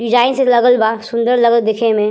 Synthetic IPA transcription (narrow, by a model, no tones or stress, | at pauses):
ɖɪd͡ʒaːɪnselɐɡəlbasʊ̃nd̪əɾlɐɡəld̪ɪkʰemẽ